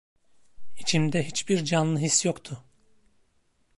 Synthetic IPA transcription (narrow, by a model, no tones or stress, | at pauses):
it͡ʃʰimd̪ɛɦit͡ʃbiɾd͡ʒanlˠɯɦisjokt̪ʰʊ